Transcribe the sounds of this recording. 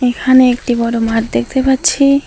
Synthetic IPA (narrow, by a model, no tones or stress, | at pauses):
ekʰaneek̚ʈibɔɽomatd̪ek̚ʰt̪epatːɕʰi